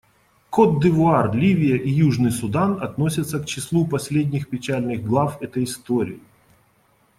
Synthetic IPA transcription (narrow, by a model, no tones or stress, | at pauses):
kot̪d̪ɨvʊarlʲivʲɪjəʔijuʐnɨjsʊd̪anɐt̪no̞sʲət̪səkt͡ɕɪslˠupɐsʲlʲed̪ʲnʲɪxpʲɪt͡ɕælʲnɨɣɡlˠafɛt̪əjɪst̪oɾʲɪ̰ɪ